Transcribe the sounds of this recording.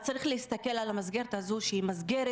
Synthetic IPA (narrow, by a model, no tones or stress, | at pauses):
t͡saɾiχleist̪ake̞lalamazɡe̞ɾet̪azuʃeimazɡe̞ɾe